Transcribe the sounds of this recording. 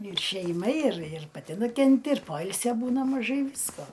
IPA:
ɪr ʃʲɛɪˈmɐ ɪr ɪr pɐˈtʲɪ nʊkʲɛnʲˈtʲɪ ɪr ˈpoːɪlʲsʲoː ˈbuːnɐ mɐˈʒɐɪ ˈʋʲiːskoː

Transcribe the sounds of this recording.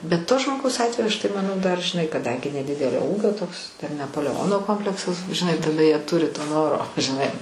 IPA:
bʲɛt toː ʒmoːˈɡɐʊs ˈɑːtʲʋʲɛjʊ ɐʃ tɐɪ mɐnˈɐʊ dɐr ʒʲɪˈnɐɪ kɐˈdɐŋʲɡʲɪ nʲɛˈdʲɪdʲɛlʲoː ˈuːɡʲoː toːks tʲɛn nʲɛpoːlʲɛˈoːnoː ˈkoːmʲpʲlʲɛksɐs ʒʲɪˈnɐɪ tɐˈdɐ jiɛ ˈtʊrʲɪ toː ˈnoːroː ʒʲɪˈnɐɪ

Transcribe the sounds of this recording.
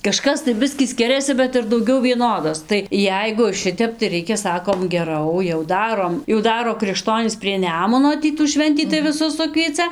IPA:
kɐˈʃkɐs tɐɪ ˈbʲɪsʲkʲiː ˈsʲkʲɪrʲɛsʲɪ bʲɛt ɪr dɐʊˈɡʲɛʊ ʋʲiɛˈnoːdoːs tɐɪ ˈjɛɪɡʊ ˈʃʲɪtʲɛp tɐɪ ˈrʲɛɪkʲɛ ˈsɑːkoːm ɡʲɛˈrɐʊ jɛʊ ˈdɑːroːm jɛʊ ˈdɑːroː krʲɪkˈʃtoːnʲiːs pʲrʲiɛ ˈnʲæːmʊnoː ˈtʲiː tuː ˈʃʲʋʲɛnʲtʲiː tɐɪ ʋʲɪˈsʊs ˈsʊkʋʲiɛt͡sɐ

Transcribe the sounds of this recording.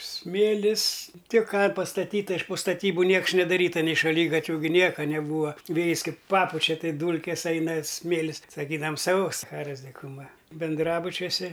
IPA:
ˈsʲmʲeːlʲɪs ˈtʲɪk ˈkɑː pɐstɐˈtʲiːtɐ ɪʃ poː stɐˈtʲiːbʊ ˈnʲiɛks nʲɛdɐˈrʲiːtɐ nʲɛɪ ʃɐˈlʲiːɡɐtʲʋʲʊ ɡʲɪ ˈnʲiɛkɐ nʲɛˈbuːɐ ˈʋʲeːjɪs ˈkɐɪp ˈpɑːpʊt͡ʃʲɛ ˈtɐɪ ˈduːlʲkʲeːs ˈɐɪnɐ ˈsʲmʲeːlʲɪs sɐˈkʲiːdɐʋɐm sɐʊ sɐˈxɑːroːs dʲɪkʊˈmɐ bʲɪnˈdrɑːbʊt͡ʃʲuɔsʲɛ

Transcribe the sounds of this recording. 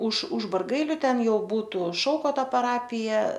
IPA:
ʊʃ ʊʃ bɐrˈɡɐɪlʲʊ ˈtʲɛn ˈjɛʊ ˈbuːtʊ ˈʃɐʊkoːtoː pɐˈrɑːpʲɪjɛ

